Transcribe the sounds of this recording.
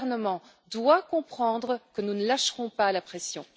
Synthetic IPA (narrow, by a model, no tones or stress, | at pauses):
ʁnəmɑ̃ | d̪wakɔ̃pχɑ̃d̪ʁəkənunəlaʃʁɔ̃palapχɛsjɔ̃